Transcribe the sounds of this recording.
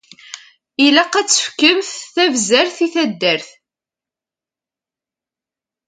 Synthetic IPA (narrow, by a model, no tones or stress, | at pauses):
ilæqːæt͡sːə̥fkəmθθævzæɾθiθæd̪ːəɾθ